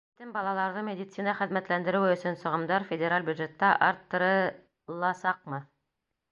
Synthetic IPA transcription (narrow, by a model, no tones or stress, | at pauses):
it̪ɘmbɑlˠɑlˠɑɾðɤmʲedʲit̪sinɑχɘ̆ðmæt̪lænd̪ɘ̆ɾɘwɘɵ̆sɵnsŏʁɤ̆md̪ɑɾfʲedʲeɾalʲbʲjʉd̪ʒet̪ːɑʔɑɾt̪ːɤ̆ɾɤ̆ | lˠɑsɑq̚mɤ